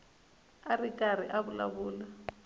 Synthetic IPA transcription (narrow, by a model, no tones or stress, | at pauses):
arikʼar̤iʔabʊla̰βuːla